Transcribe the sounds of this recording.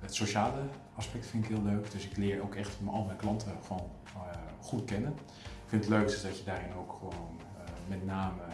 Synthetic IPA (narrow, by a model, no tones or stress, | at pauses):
ətsoʃaːlə | ɑspɛk̚tfɪntɪkɦɪːlˠløɥkd̥ɵsɪklɪːɹowkɛχtməʔɑlˠəmɛjklɑntʰəχɔn | χutkɛnən | kfɪntətløɥkdəsdɑcədaːɾɪnowkχəʋown | mɛtnaːmə